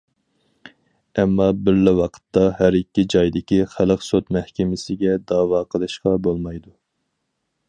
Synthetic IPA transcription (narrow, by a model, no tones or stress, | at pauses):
ɛmːɑbɪɾlɪwɑqʰə̥t̪ːɑɦæɾikʲːid͡ʒɑjd̪ɪkʲiχæləqsot̪mɛhkʲɪmɪsɪɡʲɛd̪ɑːwɑːqʰəlˠɨʃqɑbolˠmɑjd̪u